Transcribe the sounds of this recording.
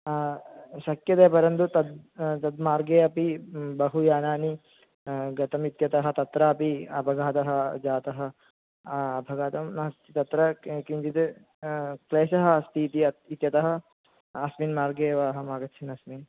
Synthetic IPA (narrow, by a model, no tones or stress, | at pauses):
ʃɐkjɐt̪eːpɐɾɐnt̪ut̪ɐd̪̚t̪ɐd̪maːɾɡeːɐpibɐɦujaːnaːni | ɡɐt̪ɐmit̪jɐt̪ɐɦɐ̆t̪ɐt̪ɾaːpiɐbʱɐɡaːt̪ɐɦɐ̆d͡ʒaːt̪ɐɦɐ̆ | ɐbʱɐɡaːt̪ɐmnɐɦɐst̪it̪ɐt̪ɾɐkiɲt͡ʃit̪e | kleːʃɐɦɐɐst̪ʰiːt̪iɐit̪jɐt̪ɐɦɐ̆ | ɐsminmaːɾɡeːʋaːɦɐ̆maːɡɐt̪ʃʰinɐsmiːn